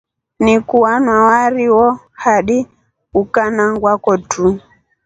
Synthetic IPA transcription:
nikuwanwawaɾiwɔ | haɗi | ukanaŋɡwakɔtʰu

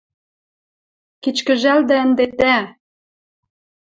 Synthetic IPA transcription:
kit͡ɕkə̆ʒæld̪æə̆nd̪et̪æ

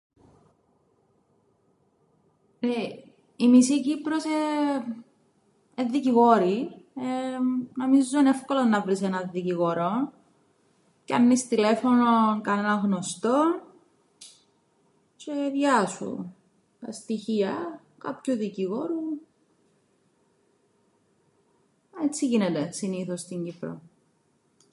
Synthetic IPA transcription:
e | imisicipɾose | eðːiciɣo̞ɾienomizːunefkolonːɐvɾisenɐiciɣoɾon | ceɐ̰nːist̪ile̞fononkɐnenɐŋɣno̞st̪o̞ | t͡ʃeðʝɐsṵ | t̪ɐst̪içiɐ | kɐpçuðiciɣo̞ɾu | et͡sːiʝinet̪esiniθost̪iɲɟipɾo̰

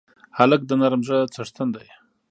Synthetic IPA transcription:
halək̚d̪ənaɾmʒət͡saʂt̪ʰənd̪aj

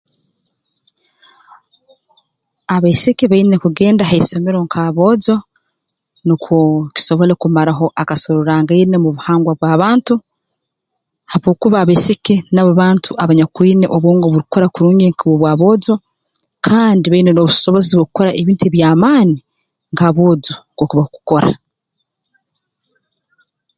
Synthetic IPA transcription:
aβesekeβaine̞kuɡe̞ːndaɦaiso̞meɾoŋkʰaβo̞ːzo̞ | nikʰoki̥so̞βo̞le̞kumaɾaɦo̞ʔakasoɾoɾaŋɡainemuβuhaːŋɡwaβwaːβaːntu | haβoːkuβaːβeseke̞naβoβaːntʰuʔaβaɲakwiːneʔoβwoːŋɡaoβuɾuko̞ɾakuɾuːɲɟeŋkaβoβwaːβo̞ːzo̞ | kʰaːndiβainenoβuso̞βo̞ziβokukoɾaʔeβiːntueβjaːmaːni | ŋɡaβoːzokokuβahoku̥ko̞ɾa̰

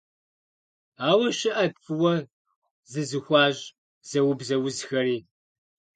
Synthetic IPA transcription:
aːwɐʃɪʔɐfʰʼɨwɐ | zɨzɨxʷɑːʑ | z̥ɐwʊbzɐwʊzxɐɾiː

